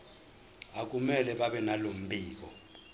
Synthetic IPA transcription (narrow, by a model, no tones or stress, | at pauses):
ak̬ʼumɛlɛɓaɓɛnalom̩bʱiːk̬ʼɔ̰